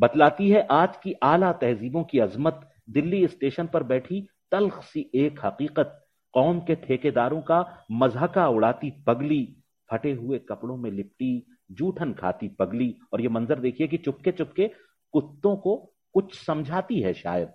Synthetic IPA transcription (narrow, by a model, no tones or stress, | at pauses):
bɐd̪laːt̪iɦɛʔaːd͡ʒkiʔaːlat̪ɛɦziːbõkiɐzmət̪ | d̪ɪlːiɪsʈeːʃənpɐɾbɛːʈʰit̪ɐlxsiʔeːkɦɐqiːqət̪̚ | qɔːmket̪ʰeːked̪aːɾõkamɐzɦəkaʊɽaːt̪ipɐɡli | b̥ʰʱɐʈeɦʊekɐpɽõmẽlɪp̚ʈi | d͡ʒuːʈʰənkʰa̰ːt̪ipɐɡliɔːɾjemɐ̃nzəɾd̪eːkʰiek̬it͡ʃʊp̚ket͡ʃʊpke | kʊt̪ːõko | kʊt͡ʃʰsɐ̃md͡ʒʱaːt̪iɦɛʃa̰ːjəd̪̚